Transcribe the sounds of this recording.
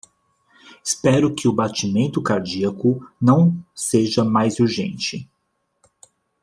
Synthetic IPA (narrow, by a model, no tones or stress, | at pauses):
ɪspɛɾʊkɪʊbat͡ʃimẽnt̪ʊkaɾd͡ʒiɐkʊnɐ̃w̃seʒɐmajzuɾʒḛ̃nt͡ʃɪ